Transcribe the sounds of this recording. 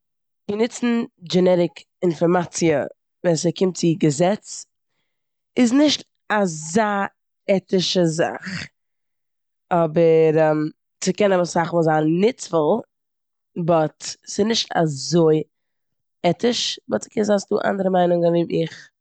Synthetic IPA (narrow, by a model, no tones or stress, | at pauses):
ɡənɪt͡sn̩d͡ʒɛnɛɾɪk | ɪnfɔɾmat͡siə̰ | vɛsəkɪmt̚t͡sɪɡəzɛt͡s | ɪsnɪʃt | azaː | ɛtɪʃəza̰χ | ɔbəɾɛm | t͡sɪkɛnabəsaχmɔzannɪt͡sfəlˠ | bɔtsɪnɪʃta̰zoɪ | ɛtɪʃbɔtt͡sɪ̥kɛnzasdṵːʔa̰ndəɾəmaɪnʊŋəvɪmɪχ